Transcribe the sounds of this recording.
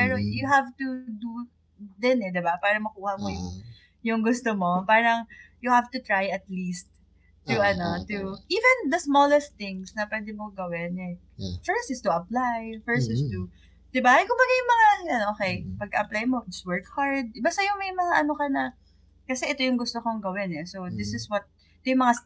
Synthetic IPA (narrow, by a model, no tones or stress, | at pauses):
pɛɾojʊɦavt̪ud̪u | d̪ɛnɛd̪ɪbapaːɾɐŋmɐkuːhɐmojʊŋ | jʊŋɡʊst̪omo̞paːɾɐŋjʊhavt̪ʊt̪ɹajɐt̪list̪̚ː | ʊʔɐno̞t̪uʔiːvɛnd̪ɐsmolɛst̪ːɪŋsnɐpwɛd̪ɛmoɡɐwɛnɛ | fɛsɪst̪ʊʔɐplajfɛɹsɛst̪u | d̪̥ɪbaʔɐjkʊmbɐɡajʊŋmɐŋaɐnʔoːkejpɐɡ̚kɐʔɐplajmoswɛɹkhaɹd̪̚bast̪ajʊŋmɐjmɐŋaʔɐnokɐnɐ | kɐsɛʔɛt̪o̞jʊŋɡʊst̪okoŋɡɐwɪnɛsowd̪ɪsɪswɐt̪̚ | t̪ojʊŋmɐŋa